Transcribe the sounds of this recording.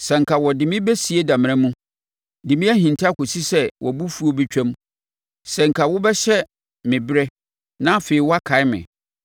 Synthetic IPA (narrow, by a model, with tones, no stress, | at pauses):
sɛ̃˨ŋ̩˨kʰa˨wɔ˨dɪ˨mɪ̃˦bɛ˦si˨e˦dã˨m̃˨ɾã˦mũ˦ | dɪ˨mɪ̃˦æ˦hĩ˨n˨tʰa˦ko˨si˦sɛ˦wʔɔ˨bu˦fu˦o˦bɛ˦t͡ɕᶣã˦m | sɛ̃˨ŋ̩˨kʰa˨wʊ˦bɛ˦ɕɛ˦ | mɪ̃˨bɪ˦ɾɛ˦ | nã˦˨fe˨i˨wɔ˦a˦kʰa˨˦ɪ˦mɪ̰̃˨